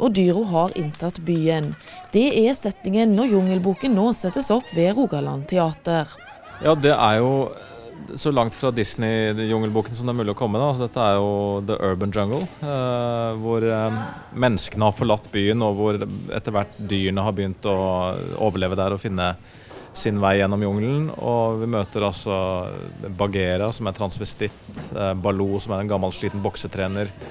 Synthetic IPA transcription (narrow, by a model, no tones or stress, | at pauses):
ʔɔd̪yːɾʊɦɑɾɪnt̪ʰɑt̪byːən | d̪̥ɛæsɛt̪ɪŋənːɔjʊŋəlbuːkənnoːsɛt̪ːəsɔpːʋeːɾuːɡɑlɑ̰nt̪ʰɛɑːt̪əʁ | jɑːd̪ɛʔæɾjʊ | sɔlɑŋt̪fɾɑd̪ɪsnɪjʊŋːəlbuːkənsɔmd̪ɛæɾmʉːlɪɔkʰɔmːəd̪ɑɑlsɔd̪ɛt̪ːəæɾjʊd̪əʔøːɹbənd͡ʒɑŋɡəl | ʋʊɾ | mɛnːəskənəhɑɾfɔɭɑt̪ːbyːənoʋʊɾɛ̰t̪ːəɾʋæʈːd̪yːəɳəɦɑɾbəjʏnt̪ɔo̰ːʋəɭeːʋəd̪æɾɔfɪnːə | sɪnʋæɪjɛnːɔmjʊŋlən̩ɔ̰ʋɪmøːt̪əɾɑlsɔ | bɑɡeːɾɑsɔmæɾt̪ʰɾɑnsʋɪst̪ɪt̪bɑluːsɔmæɾɛnɡɑmːɑlʂɭiːt̪n̩bɔksət̪ʰɾeːnəɾ